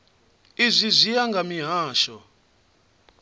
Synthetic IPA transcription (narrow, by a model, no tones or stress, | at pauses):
izʷizijaŋɡʱamiɦaːʃɔ